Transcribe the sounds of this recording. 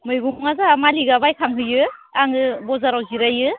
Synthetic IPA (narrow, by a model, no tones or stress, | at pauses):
mɯjɡumŋazamaliɡabajkʰaŋɦɯjɯaŋɯbɔzaɾawziɾajɯ